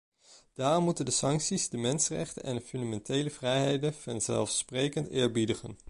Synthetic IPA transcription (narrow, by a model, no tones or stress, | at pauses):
d̥aːrɔmːutəndəsɑŋksizdəmɛnsərɛ̰χtə̰nʔɛndəfʏndamɛntejləvrɛjɦejdənvɑnzɛ̰lˠfsprejkəntɪːɹbidəχə̰n